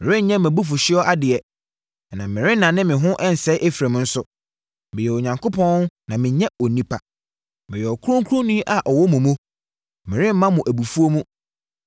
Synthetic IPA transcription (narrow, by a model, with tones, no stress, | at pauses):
mɪ̃˨ɾɪ̃˦ɲ̩˦ɲɛ̃˦mæ̃˨bu˦f̬ʊ˨ɕɪ˦ɔ˦ʔa˦dɪ˨ɛ˨ | nã˨mɪ̃˨ɾɪ̃˦nã˨nɪ̃˦mɪ̃˨ɦʊ̃˦ʔɛ˦n̩˨sɛ˦ʔe˦fɾæ˨m̃˦n̩˦sʊ˨ | mɪ̃˨jɛ˨o˨ɲã˨ŋkʰo˦pʰɔ̃˦nã˨mɪ̃˨ɲɛ̃˦ɔ˨nĩ˦pʰa˨ | mɪ̃˨jɛ˨ɔ˨kʰu˦ɾʊ̃˦ŋ˦kʰu˦ɾʊ̃˦nĩ˦ʔa˨ʔɔ˨wɔ˦mũ˨mũ˦ | mɪ̃˨ɾɪ̃˦m̩˦mã˦mʊ̃˨ʔæ˨bu˨fu˦o˦mũ˦